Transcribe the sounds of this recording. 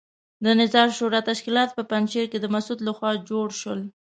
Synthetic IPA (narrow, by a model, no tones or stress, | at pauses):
d̪ənɪzɑɾʃoɾɑt̪aʃkilɑt̪pəpanʃeɾked̪əmasud̪laxwɑd͡ʒoɽʃwəl